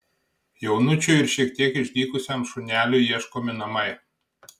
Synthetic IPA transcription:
jownut͡ʃʲuɪɾʃʲiɛk̚t̪ʲiɛkɪʃd̪ʲiːkʊsʲɛmʃunʲælʲʊjiɛʃkomʲɪnɐmɐj

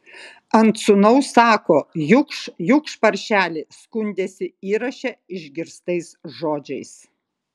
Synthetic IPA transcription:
ɐnt̪sʊnɐʊsɑːkoːjʊkʃjʊkʃpɐɾʲʃʲæːlʲɪskʊnʲd̪ʲeːsʲɪiːɾɐʃʲɛɪʒʲɡʲɪɾst̪ɐɪsʒoːd͡ʒʲɛɪs

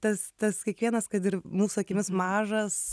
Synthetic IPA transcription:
t̪ɐst̪ɐskʲiɛkʋʲiɛnɐskɐt̪ɪɾmuːsʊɐkʲɪmʲɪsmɑːʒɐs

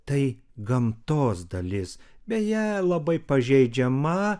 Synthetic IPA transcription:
t̪ɐɪ | ɡɐmt̪oːsd̪ɐlʲɪsbʲɛtjælˠɐbɐɪpɐʒʲɛɪd͡ʒʲɛmɐ

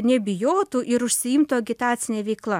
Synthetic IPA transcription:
nʲɛbʲɪjoːt̪uːʔɪɾʊʃʲsʲɪɪmt̪oːɐɡʲɪt̪ɑːt̪sʲɪnʲeːʋʲɛɪklˠɐ

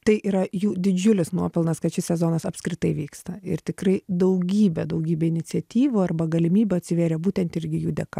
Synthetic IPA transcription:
t̪ɐɪʔiːɾɐjuːd̪ʲɪd͡ʒʲʊlʲɪsnuɔpʲɪlˠnɐskɐtʃʲɪsʲɛzoːnɐsɐpʲskɾʲɪt̪ɐɪʋʲiːkst̪ɐɪ̰ɾt̪ʲɪkrɐɪd̪ɐʊɡʲiːbʲɛd̪ɐʊɡʲiːbʲɛɪnʲɪtt͡s̪ʲɛt̪ʲiːʋuːɐrbɐɡɐlʲɪmʲiːbʲɛɐt̪ʲsʲɪʋʲeːɾʲɛbuːt̪ʲɛnt̪ɪɾʲɡʲɪjuːd̪ʲɛkɐ

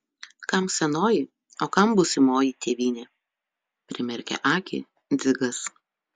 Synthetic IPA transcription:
kɐmsʲɛnoːjɪ | oːkɐmbʊsʲɪmoːjit̪ʲeːʋʲiːnʲeː | pʲɾʲɪmʲɛɾʲkʲɛ̰ʔɑːkʲɪ̰ | d̪zʲɪɡɐs

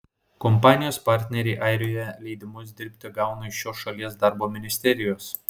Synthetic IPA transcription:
kɔmpɑːnʲɪjoːspɑɾʲt̪ʲnʲɛɾʲɛɪʔɑɪɾʲoːjɛlʲɛɪd̪ʲɪmʊs̬d̪ʲɪɾʲpʲt̪ʲɪɡɑˑʊnɐɪʃʲoːsʃɐlʲiɛsd̪ɑɾboːmʲɪnʲɪsʲt̪ʲɛɾʲɪjoːs

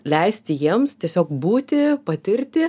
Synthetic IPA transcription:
lʲɛɪsʲt̪ʲɪjiɛmst̪ʲiɛsʲoːkbuːt̪ʲɪpɐt̪ʲɪɾʲt̪ʲɪ

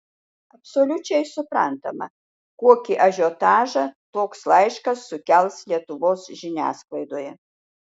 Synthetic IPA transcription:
ɐpsolʲʊt͡ʃʲɛɪsʊpɾɐnt̪ɐmɐ̰ | kuɔkʲiʔɐʒʲot̪ɑːʒɐt̪oːkslˠɐɪʃkɐsːʊkʲɛlˠslʲiɛt̪ʊʋoːsʒʲɪnʲæ̰ːsklˠɐɪd̪oːjɛ

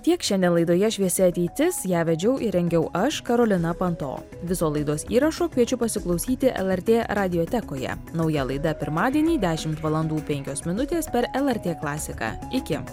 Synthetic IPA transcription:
t̪ʲiɛkʃʲɛnd̪ʲɛnlˠɐɪd̪oːjɛʃʲʋʲiɛsʲɪɐt̪ʲɛɪt̪ʲɪsjæːʋʲɛd͡ʒʲɛʊʔɪɾʲɛŋʲɡʲɛʊʔɐʃkɐɾoːlʲɪnɐpɐnt̪o̰ː | ʋʲɪsoːlˠɐɪd̪oːsiːɾɐʃoːkʋʲiɛt͡ʃʲʊpɐsʲɪklˠɒʊsʲiːt̪ʲɪʔɛ̰lˠɛɾʲt̪ʲeːɾɑːd̪ʲɪjoːt̪ʲɛkoːjɛ̰nɒʊjɛlˠɐɪd̪ɐpʲɪɾmɑːd̪ʲiɛnʲiːd̪ʲæːʃʲɪmt̪ʋɐlˠɐnd̪uːpʲɛŋʲkʲoːsmʲɪnʊt̪ʲeːspʲɛɾɛlˠɛɾʲt̪ʲeːklˠɑːsʲɪkɑ̰ː | ɪkʲɪ

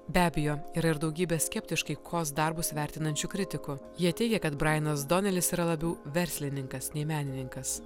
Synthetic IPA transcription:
bʲæːbʲejoːiːɾɐɪɾd̪ɐʊɡʲiːbʲeːsʲkʲɛpʲt̪ʲɪʃkɐɪkʰoːsd̪ɐɾbʊsʋʲæˑɾʲt̪ʲɪnɐnʲt͡ʃʲʊkɾʲɪt̪ʲɪkʊjiɛt̪ʲɛɪɡʲɛkɐt̪bɾɑɪnɐs̬d̪oːnʲɛlʲɪsiːɾɐlˠɐbʲɛʊʋʲɛɾʲsʲlʲɪnʲɪŋkɐsnʲɛɪmʲæːnʲɪnʲɪŋkɐs

